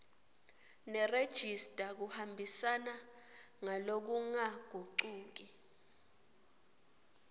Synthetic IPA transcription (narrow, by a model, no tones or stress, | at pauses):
nɛred̥ʒ̥ʱistʼak̬uhambʱisana | ŋalok̬uŋaɡ̥ʱuǀuːk̬i